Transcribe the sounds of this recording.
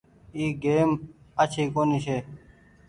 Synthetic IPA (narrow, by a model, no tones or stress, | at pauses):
iːɡeːmət͡ɕʰiːkoːniːɕeː